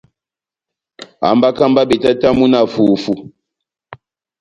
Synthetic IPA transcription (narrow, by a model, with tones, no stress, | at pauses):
a̰˨mba˦ka˦mba˦bi˨ta˦ta˦mu˦na˨fu˨fu˨